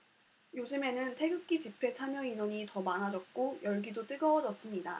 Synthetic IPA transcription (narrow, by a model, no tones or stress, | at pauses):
jod͡ʑɯme̞nɯntʰe̞ɡɯk̚k͈it͡ɕipʰe̞t͡ɕʰamjʌinwʌɲitʌmanɦad͡ʑʌk̚k͈ojʌɭɡidot͈ɯɡʌʌd͡ʑʌs͈ɯmɲida